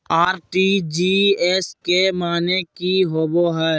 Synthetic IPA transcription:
aːɾʈid͡ʒiːɛskemaːnekiɦoːboɦɛː

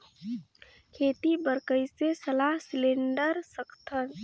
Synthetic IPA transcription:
kʰet̪ibəɾkəɪsesəlaɦsleɳɖəɾsəkʰt̪ʰən

